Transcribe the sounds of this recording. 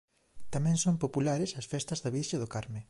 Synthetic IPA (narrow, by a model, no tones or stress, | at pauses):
t̪amɛ̃ŋsõmpopulaɾesɐsfɛst̪ɐzðɐβiʃɐðʊkaɾmɪ